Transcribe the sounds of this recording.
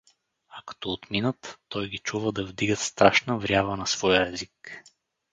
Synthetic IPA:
ɐkɐ̥t̪ɔːt̪minət̪ːɔjɡit͡ʃuvəd̪ɐvd̪iɡət̪st̪ɾaʃnəvɾʲjabənɐsvɔjəɛzik

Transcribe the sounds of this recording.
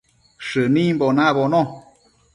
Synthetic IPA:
ʃɨnĩmbonaβonõ

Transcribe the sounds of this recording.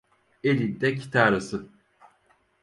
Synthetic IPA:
elʲind̪ɛcʰi̥t̪ʰaːɾasɯ

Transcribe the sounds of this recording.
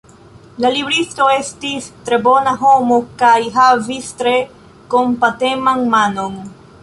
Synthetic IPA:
lalibɾisto̞e̞stistɾe̞bo̞naɦo̞mokajɦavistɾe̞ | kompate̞maŋmano̞ŋ

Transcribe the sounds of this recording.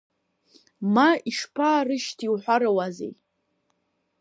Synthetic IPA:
maiʂpʰaːrɨʃtʰiwħʷaɾawazḛj

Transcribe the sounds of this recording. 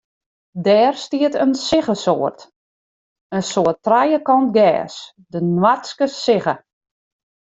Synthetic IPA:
dɛːrstiətənsɪɣəsoərt | ənsoətrajəkɔntɡɛ̰ːs | dənwaskəsɪɣə

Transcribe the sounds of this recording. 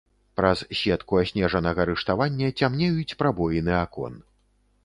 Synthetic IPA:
pɾɐssʲɛt̪kuasʲnʲɛʐɐnɐɣɐɾɨʂt̪avanʲːɐt͡sʲamnʲɛjut͡sʲpɾabɔjinɨakɔ̰n

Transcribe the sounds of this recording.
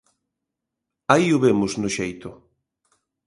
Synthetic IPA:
ajʊβemʊznʊʃejt̪ʊ

